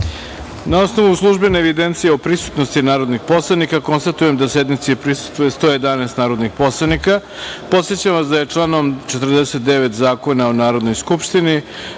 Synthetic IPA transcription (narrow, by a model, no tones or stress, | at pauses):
nao̞sno̞ʋuslˠuʒbeneːʋid̪e̞nt̪sijeopɾisu̥t̪no̞st̪inaːɾo̞d̪nixpo̞slˠanikako̞nst̪at̪uje̞md̪ase̞d̪nit̪siepɾisu̥st̪vujest̪o̞ːje̞d̪anest̪naːɾo̞d̪nixpo̞slˠanika | po̞t̪sjet͡ɕamʋasd̪aje̞t͡ʂlˠaːno̞mt͡ʃet̪r̩d̪eset̪̚d̪eʋe̞t̪zaːko̞naonaːɾo̞d̪no̞jskupʃt̪ini